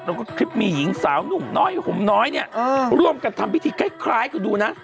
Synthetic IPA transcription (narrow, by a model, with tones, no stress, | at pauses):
ɾa˧wkɔː˥˩kʰɾi˦˥p̚miː˧ji˩˦ŋsaː˩˦wnu˨˩ŋnɔː˦˥˩jpʰo˨˩˦mnɔː˦˥jni˦˥˩ɐː˧ɾu˧˥˩əmka˧nt̪ʰa˧mwi˦˥t̪ʰiː˧kʰaː˦˥˩kʰɾaː˦˥jkʰɯː˧˩duː˧na˦˥